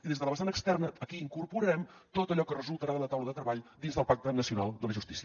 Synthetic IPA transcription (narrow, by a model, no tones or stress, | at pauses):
iðezðələβəsanəkst̪ɛrnəːkiːŋkurpuɾɾɛmt̪ot̪əʎɔkərəzulˠt̪əɾaðələt̪awləðət̪ɾəβaʎd̪inzðəlˠpak̚t̪ənəsiunalˠd̪ələʒust̪isiə